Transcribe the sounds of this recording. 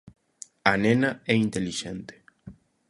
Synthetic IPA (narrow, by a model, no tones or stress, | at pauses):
anenɐɛint̪eliʃent̪e̥